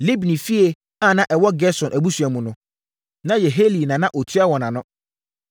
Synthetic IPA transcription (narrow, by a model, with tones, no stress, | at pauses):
le˦bi˨nĩ˨fi˦e˨ | a˦˨nã˦ʔɛ˨wɔ˦ɡɛ˦sɔ̃˨nʔæ˨bu˦su˨æ˨mũ˨nʊ̃˦ | nã˦jɛ˨ɦe˦li˨nã˨nã˦ʔo˨tʰi˦a˦wɔ̃˨nã˨nʊ̃˦